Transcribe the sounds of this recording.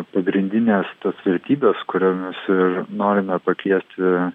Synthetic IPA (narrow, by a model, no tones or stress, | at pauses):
pɐɡɾʲɪnʲd̪ʲɪnʲeːst̪osʋʲɛɾʲt̪ʲiːbʲeskʊɾʲɛmʲɛsɪrnoːɾʲɪmʲɛpɐkʲiɛsʲt̪ʲɪ